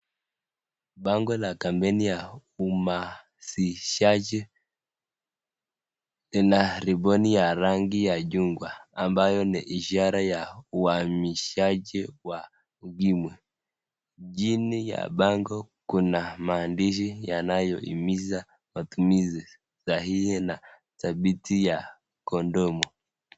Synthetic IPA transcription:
baŋɡɔlakambɛnijauma | siʃad͡ʒi | linaɾibɔnijaɾaŋɡijaɟuŋɡwaːmbajɔnɛʔiʃaɾajauwamiʃaɟiwa | ɡimwɛ | ɟinija̰baŋɡɔ | kunamaːndiʃ̬ijanajɔʔḭmiza | matumizi | zahihɛna | tabitija | kɔndɔmɔ

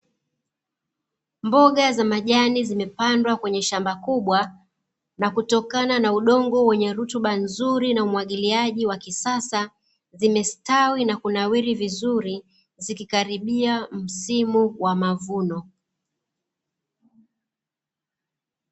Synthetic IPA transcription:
mbɔɠazamaʄanizimɛpandwakwɛɲɛʃambakuɓwa | nakutɔkananauɗɔŋɡɔwɛɲɛɾutuɓanzuɾinaumwaɠiliaʄiwakisasa | zimɛstawinakunawiɾivizuɾi | zikikaɾiɓiam̩simuwamavunɔ

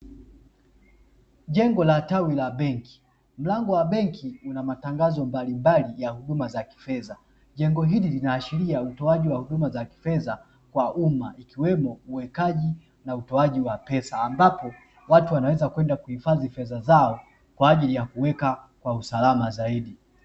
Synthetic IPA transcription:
ʄɛŋɡɔlatawilaɓɛŋki̥ | m̩laŋɡɔwaɓɛŋkʰiunamataŋɡazɔmbalimbalijahuɗumazaki̥fɛza | ʄɛŋɡɔɦililinaːʃiɾiautɔaʄiwahuɗumazaki̥fɛza | kwaʔumaikiwɛmɔuwɛkaʄi | nautɔaʄiwapɛsaːmbapɔ | watuwanawɛzakwɛndakuhifazifɛzazaɔ | kwaːʄilijakuwɛkakwausalamazaiɗi

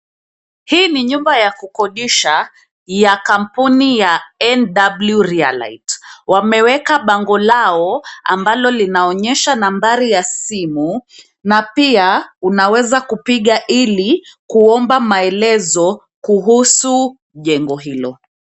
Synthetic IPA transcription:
hiːniɲumbajakukɔɗiʃa | jakam̩punijaɛnɗabljuɾia̰la̰itwamɛwɛkaɓaŋɡɔlaɔa̰mbalɔlinaɔɲɛʃanambaɾijasimu | napiaunawɛzakupiɠaʔilikuɔmbamaɛlɛzɔ | kuɦusu | ʄɛŋɡɔɦilɔ

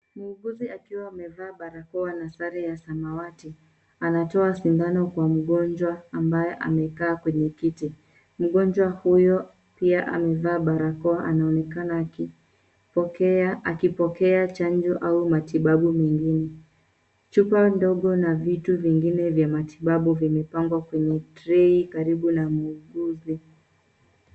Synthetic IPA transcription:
muuɡuziakiwaːmɛvaːɓaɾakɔanasaɾɛjasamawati | anatɔasimbanɔkwam̩ɠɔnd͡ʒwaambajɛʔa̰mɛkaːkwɛɲɛkiti | m̩ɠɔnd͡ʒwahujɔ | piaʔa̰mɛvaːɓaɾakɔwaʔanaɔnɛkanaːki | akipɔkɛat͡ʃand͡ʒɔʔaumatiɓaɓumɛŋɡinɛ | t͡ʃupandɔɠɔnavituviŋɡinɛvjamatiɓaɓuvimɛpaŋɡwakwɛɲɛtɾɛikaɾiɓunamuuɡuzi

